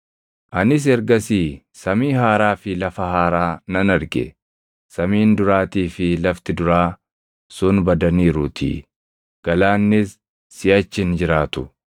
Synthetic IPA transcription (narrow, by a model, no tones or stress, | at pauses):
ʔɐnɪs̬ɛɾɡɐsiː | sɐmiːhaːɾaːfɪlɐfɐɦaːɾaːnɐnɐɾɡɛ̰ | sɐmiːnd̪ʊɾaːt̪iːfɪlɐft̪ɪd̪ʊɾaː | sʊnbɐd̪ɐniːɾʊt̪ʰɪ̰ | ɡ̥ɐlaːnːɪsː | ɪʔɐt͡ʃːɪnd͡ʒɪɾaːt̪ʊ